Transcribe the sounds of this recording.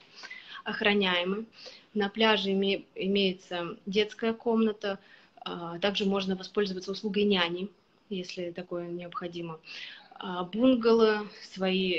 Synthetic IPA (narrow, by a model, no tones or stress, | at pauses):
ɐxɾɐnʲæjɪmɨnɐplʲaʐɨɪmʲejɪt̪sədʲe̞t̪skəjəko̞mnət̪ə | t̪aɡʐɨmo̞ʐnəvɐspo̞lʲzəvət̪səʊslˠuɡəjnʲaænʲɪ | jesʲlʲɪt̪ɐko̞jənʲɪəpxɐdʲimə | bunɡəlˠɨsvɐi